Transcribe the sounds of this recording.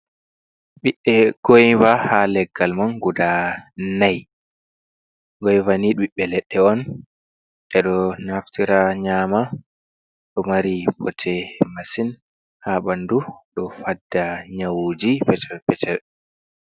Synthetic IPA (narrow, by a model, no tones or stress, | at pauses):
ɓiɓːɛɡ̥ojvahalɛɡːalmɔnɡudanaj | ɡɔjvaniɗiɓːɛlɛɗːɛɔn | ʔɛɗɔnaftiɾaɲama | ɗɔmaɾibɔtʰɛmasin | haɓanduɗɔfadːaɲawd͡ʒipɛtɛpɛtʰɛɾ